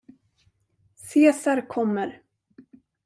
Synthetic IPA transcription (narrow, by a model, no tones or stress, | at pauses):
seːsaɾkʰɔmːəɾ